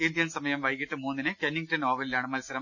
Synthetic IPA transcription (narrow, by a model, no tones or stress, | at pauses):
ind̪jɐnsɐmɐjɐmʋɐjkːiʈːɨmuːnːinɨkenːiŋ̚tɐnoːʋɐlilaːɳɨmɐlsɐɾɐm